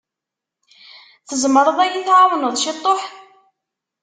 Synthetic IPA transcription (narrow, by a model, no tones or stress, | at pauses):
θəzˤməɾˤəðˤæjiθʕawnəðˤʃit̪ˤːoħθ